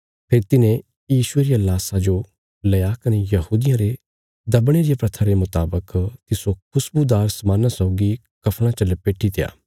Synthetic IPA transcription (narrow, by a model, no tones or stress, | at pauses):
pʰeːɾt̪ɪnẽ | jiːsʊeɾijalaːsad͡ʒo | lɐjakɐnejɐɦuːd̪ɪjãɾe | d̪ɐbɽ̃eɾijapɾɐt̪ʰaɾemʊt̪aːbəkt̪ɪsokʰʊsbud̪aːɾsmãːnasɔʊɡi | kɐpʰɽ̃ãt͡ʃɐlepeːʈʰit̪ɪja̰ː